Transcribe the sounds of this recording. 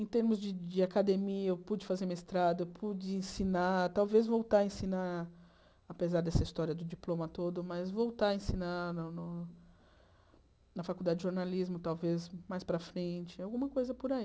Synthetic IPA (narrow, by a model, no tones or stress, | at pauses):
ẽt̪eɾmʊzd͡ʒɪd͡ʒɪakad̪emiɐewpud͡ʒɪfazeɾmiɐɪst̪ɾad̪ɐewpʰud͡ʒɪẽsinat̪awvezvowt̪aɐẽsina | apezaɾd̪ɛsɐist̪ɔɾiɐd̪ʊd͡ʒiplõmɐt̪od̪ʊmɐzvowt̪aɐẽsinanʊnʊ | nɐfakuwd̪ad͡ʒɪd͡ʒɪʒoɾnalizmʊt̪awvezmajspɾɐfɾẽt͡ʃɪawɡũmɐkojzɐpʊɾai